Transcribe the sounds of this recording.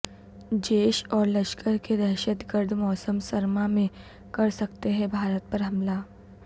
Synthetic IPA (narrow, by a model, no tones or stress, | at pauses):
d͡ʒeːʃɔːɾlɐʃkəɾked̪ɛːʃət̪ɡəɾd̪ʱmɔːsəmsɐɾmamẽ | kɐɾsɐkt̪eɦɛ̃bʱaːɾət̪̚pɐɾɦɐmla